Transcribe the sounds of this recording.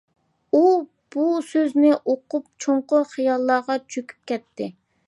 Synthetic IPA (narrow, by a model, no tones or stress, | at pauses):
u | b̥usøznɪʔoqʊp̚t͡ʃʰoɴqʊχijɑlˠːɑːʁɑt͡ʃʰøkʲy̥p̚kʲɛt̪ʰːɪ